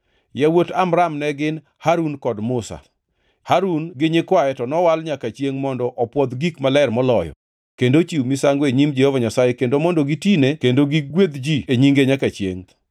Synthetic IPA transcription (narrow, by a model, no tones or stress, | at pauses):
jawotamɾamnɛɡɪn | haɾunkɔdmʊsa̰ | haɾunɡɪɲɪkwaɛtɔnɔwalɲakat͡ʃjeŋmɔndɔʔɔpwɔd̪ɡikmalɛrmɔlɔjɔ̰ | kendot͡ʃiwmisaŋɡoeɲimd͡ʒɛhovaɲasajekendomɔndoɡitinekendoɡiɡwed̪d͡ʒieɲiŋɡeɲakat͡ʃjḛŋ